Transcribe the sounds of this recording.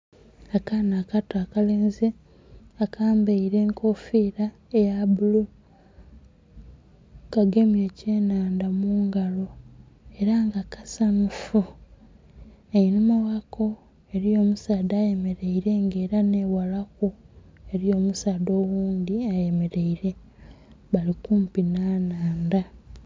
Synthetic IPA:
akanaːkatakaleːnze | akʰaːmbeiɾe̞ːŋkʰo̞fiːɾa | ejabulu | kaɡe̞mjeːceːnaːndamuːŋɡalo̞ | e̞ɾaŋɡakʰasanufu | einumawakʰo̞ | e̞ɾijo̞ːmusaːdaje̞me̞ɾe̞iɾe̞ŋɡe̞ːɾane̞walakue̞ɾio̞ːmusaːdo̞ːwuːndiaje̞me̞ɾe̞iɾe̞ | βalikuːmpinaːnaːnda

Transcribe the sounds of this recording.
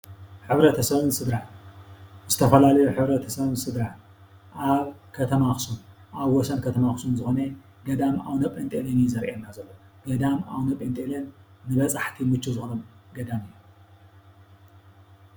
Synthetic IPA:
ħɨβɾɐt̪ʰɐsɐβɨnsɨd̪ɾa | zɨt̪ʰɐfɐlalɐjuħɨβɾɐt̪ʰɐsɐβɨnsɨd̪ɾa | ʔaβkʰɐt̪ʰɐmaxsun | ʔaβwɔsɐnkʰɐt̪ʰɐmaxsunzɨxone | ɡɐd̪ama̰wnɐpʼent̪ʼelenjizɐɾʔenːazɐlːoɡ̥ɐd̪ama̰wnɐpʼent̪ʼelenːɨβɐt͡sʼaħt̪ʰimɨt͡ʃːuzɨxonɐmɡɐd̪amɨjːu

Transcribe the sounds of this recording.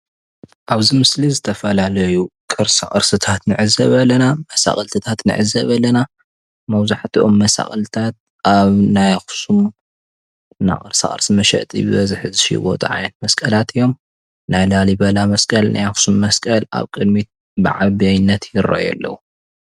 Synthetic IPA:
ʔaβzimɨslizɨt̪ʰɐfɐlalɐjukʼɨɾsa̰χʼɨɾsɨt̪ʰat̪nɨʕɨzɐβɐlɐnamɐsa̰χʼɐlt̪ʰɨt̪ʰat̪nɨ̰ʕɨzɐβɐlɐna | mɐwzaħt̪ʰiʔo̞mːɐsa̰χʼɐlt̪ʰat̪̚ | aβnajxsum | na̰kʼɨ̰ɾsa̰χʼɨ̰ɾsɨmɐʃɐ̰ʔt̪ʼḭbɨβɐzɨħzɨʃḭbo̰t̪ʼɨʕa̰jnɐt̪̚mɐskʼɐlat̪ɨjːo̞m | najlalibɐlamɐskʼɐlnʔa̰jxsumːɐskʼɐla̰βkʼɨd̪̚mit̪̚ | bɨʕaβiajnːɐt̪jɪɾo̰jɛ̰lːɐ̰wu

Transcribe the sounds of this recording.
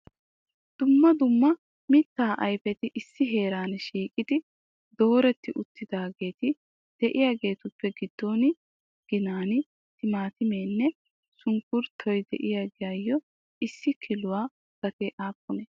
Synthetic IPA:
d̪̥ʊmːɐd̪ʊmːɐ | mɪt̪ːaːʔɐjpɛt̪ɪʔɪsːɪɦe̞ːɾaːnʃiːkʼɪd̪ɪ | d̪o̞ːɾɛt̪ːɪʔʊt̪ːɪd̪aːɡe̞ːt̪ɪ | d̪̥ɛʔɪjaːɡe̞ːt̪ʊpːɛɡɪd̪ːɔːnɪ | ɡ̥ɪnaːnɪ | t̪ɪmaːt̪ɪmeːnːɛ | sʊŋkʊɾt̪ʰɔjd̪ɛ̰ʔɪjaɡɪjaːjːɔ | ɪsːɪkʰɪlʊwaː | ɡ̥ɐt̪eːʔaːpʼːɔnɛ

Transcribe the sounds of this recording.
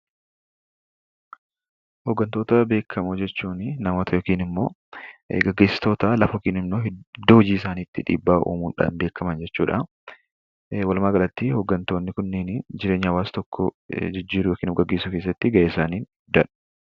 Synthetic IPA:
hɔɡːɐnt̪o̞ːt̪ɐbe̞ːkʰːɐmʊd͡ʒɛt͡ʃːuːnnɐmoːt̪ʰɐjɔːkiːnɪmːo̞ː | ɡɐɡːe̞ːsɪ̥t̪o̞ːt̪ɐlɐfɐɔkiːnɪmnoːɦɛd̪ːoːhʊd͡ʒiːɪsaːniːt̪ːɪᶑḭːbːaːʔṵːmuːnᶑa̰ːnbe̞ːkʰːɐmɐnd͡ʒɛt͡ʃːuːᶑɐ | wɐlmaːɡɐlɐt̪ːɪhɔɡːɐnt̪oːnːɪkʊnːɛnd͡ʒɪɾe̞ːɲːɪɐwaːst̪ɔkʰːɔd͡ʒɪd͡ʒːiːɾʊjɔkiːnʊfɡɐɡːe̞ːsʊkeːs̬ːɐt̪ːɪɡɐeːsaːniːn | d̪ɐᶑɐ̥

